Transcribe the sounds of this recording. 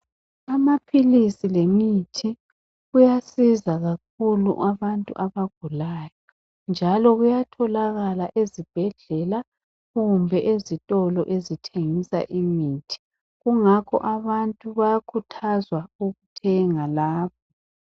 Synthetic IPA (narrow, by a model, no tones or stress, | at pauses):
amapʰilisilemitʰi | ɣujasizaɣak̚ʰulṵʔaβantʼṵʔaβaɡ̥ʱulaːjɔ | nd͡ʒʱalɔɣujatʰɔlaɣalaʔezib̥ʱɛɮɛla | ɣumbʱɛʔezitʼɔlɔʔezitʰeŋisa̰ʔimiːtʰi̥ | ɣuŋakʰɔ̰ʔaβantʼuβajakʰutʰazwauɣutʰɛŋalaːβɔ